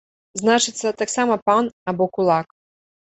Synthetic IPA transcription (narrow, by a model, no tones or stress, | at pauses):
znat͡ʂɨt̪sɐt̪aksamɐpanabɔkulˠak